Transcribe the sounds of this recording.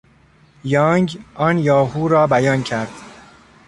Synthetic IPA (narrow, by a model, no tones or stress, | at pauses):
jɒːŋɡʔɒːnjɒːɦuːɾɒːbæjɒːncʰæɾd̪̥